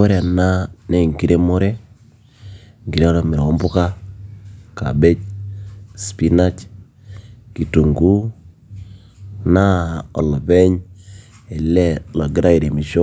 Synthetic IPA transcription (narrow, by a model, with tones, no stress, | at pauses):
o˦ɾe˨a˨na˦ne˨ŋɡi˦ɾe˦mo˦ɾe˦ | ŋɡi˨ɾe˦a˦ɾɔ˦mi˨ɾwɔ˦mbʊ˦ka˦ | ka̰˨be˦t͡ʃ̚ | spi˦na˦t͡ʃ | ki˨tu˨ŋɡu˦ | na˦ɔ̰˨lɔ˨bɛ˦ɲ | e˨lɛ˦lɔ˨ɡɪ˦ɾa˦i˨ɾe˨mi˨ʃo˦